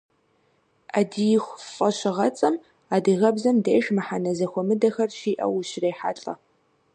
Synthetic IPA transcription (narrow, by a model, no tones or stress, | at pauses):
aːdijɪxʷfʼɐɕɪʁɐt͡sʼɐm | aːdɨɣɐbzɐmdeːʒmɨħanɐzɐxʷɔmɨdɐxɐrʃiːʔɐ̰wɕreːħa̰ːɬʼɐ̰